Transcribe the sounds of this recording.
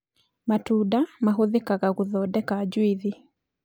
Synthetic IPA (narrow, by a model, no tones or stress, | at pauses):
matudamaɦoðekaɣaɣuðɔdɛkad͡ʒwiði